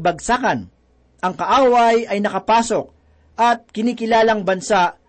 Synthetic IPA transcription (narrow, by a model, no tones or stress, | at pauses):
bɐɡ̚sakɐn | ʔɐŋkɐʔaːwɐjɐjnɐkɐpaːso̞k̚ | ʔɐt̪̚kɪniːkɪlaːlɐŋbɐnsaʔ